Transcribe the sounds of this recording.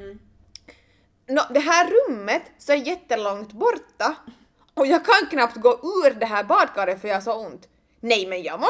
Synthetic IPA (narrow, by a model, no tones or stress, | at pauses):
nɔd̪ɛɦæːɾɵmːət̪sɔæjɛt̪ːəlɔŋt̪bɔɾt̪ːa | ɔjɑːɡkʰanknɑpt̪ɡoːʔʉːɾdɛɦæːɾbɑːd̪kʰɑːɾət̪fœɾjɑːsɑːʊnt̪ | nɛjmɛnjɑ̰ːmɔ